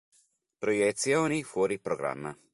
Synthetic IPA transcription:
pɾojet̪sionifoɾipɾoɡɾa̰mːa

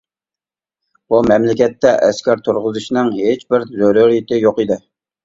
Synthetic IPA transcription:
b̥umɛmlɪkʲɛt̪ːɛʔɛskʲɛɾt̪ʰoɾʁʊzɨʃinɨŋhet͡ʃbɪɾzøɾuɾit̪ɪjoqɨd̪ɪ

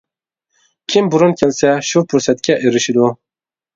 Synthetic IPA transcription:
kʰimbuɾonkʰʲɛnsɛʃuɾpʰuɾsɛt̪kʲɛʔeɾiʃid̪o

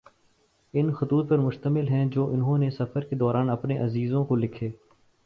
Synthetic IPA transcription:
ɪnxʊt̪uːt̪̚pɐɾmʊʃt̪əmɪlɦɛ̃d͡ʒoːʔʊnɦõnesɐfəɾked̪ɔːɾaːnɐpneʔɐziːzõkolɪkʰeː

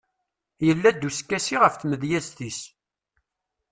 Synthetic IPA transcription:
jəlːæd̪ːuskːæsiʁəfθməðjæzt̪is

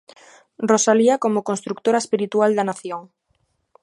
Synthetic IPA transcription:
rosaliakomokonst̪ɾuk̚t̪oɾaespiɾit̪uald̪anaθjoŋ

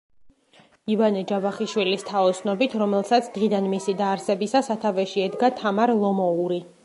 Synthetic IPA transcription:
ivanɛd͡ʒabaχiʃwilist̪ʰaɔt̪sʰnɔbit̪ʰɾɔmɛlˠsat̪sʰd̪̥ʁid̪anmisid̪aːɾsɛbisasat̪ʰavɛʃiɛd̪ɡat̪ʰamaɾlˠɔmɔuɾi

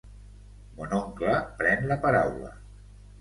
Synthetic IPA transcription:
monoŋklapɾɛnləpaɾawlə̰

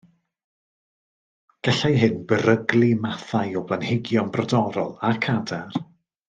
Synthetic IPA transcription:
ɡ̥ɛɬajɦɨnbəɾəɡlˠimaθajɔblˠanhɪɡjɔnbrɔdɔɾɔlˠakʰadar

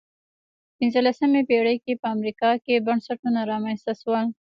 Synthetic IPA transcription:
pɪnzəlasəmebeɽəjkepəamɾikɑkebaɳsaʈunaɾɑmanst̪aswəl

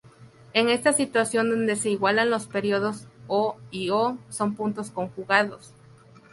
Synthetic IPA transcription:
e̞ŋe̞st̪asit̪wasjo̞nd̪o̞nd̪e̞se̞iɣwalanlo̞spe̞ɾjoð̞o̞soioso̞mpunt̪o̞sko̞ŋxuɣaðo̞s

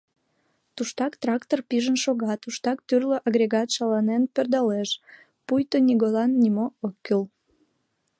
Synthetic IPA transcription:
t̪uʃt̪ɑkt̪rɑkt̪orpiʒənʃoɣɑt̪uʃt̪ɑk̚t̪yrløʔɑɣɾʲeɣɑt̪ʃɑlɑnenpørd̪ɑleʃ | pujt̪onʲiɣolɑnːimookːøl

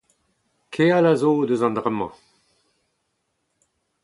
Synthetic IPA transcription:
kʰealazoːd̪əzãnd̪ʁɛmːɑ̰̃

